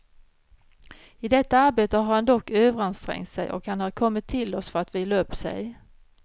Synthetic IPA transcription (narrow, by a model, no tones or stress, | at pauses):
ɪd̪ɛt̪ːaaɾbeːt̪əhaɾhand̪ɔkːøːvəɾanst̪ɾɛ̰ŋt̪sɛ̰jʔɔ̰khanhaɾkʰɔmːɪt̪ʰːɪlːɔsfœɾat̪vɪːlːaɵpːsɛ̰j